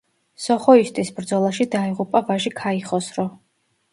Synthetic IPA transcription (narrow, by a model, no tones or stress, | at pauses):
sɔχɔist̪ʼisbɾd̪zɔlˠaʃid̪aiʁupʼavaʒikʰaiχɔsɾɔ